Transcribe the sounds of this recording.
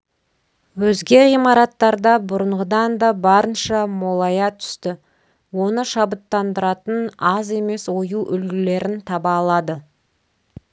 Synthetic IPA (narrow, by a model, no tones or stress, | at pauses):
wɵzɡʲe̞ʁijmɑɾɑt̪ːɑɾd̪ɑbʊɾəɴʁəd̪ɑnd̪ɑbɑɾənʃɑmolˠɑjɑt̪ʰʏ̥st̪ɪ | wo̞nəʃɑbət̪ːɑnd̪əɾɑt̪ənɑze̞me̞swo̞juʔʏlɡʲɪle̞ɾɪnt̪ʰɑbɑːlˠɑd̪ə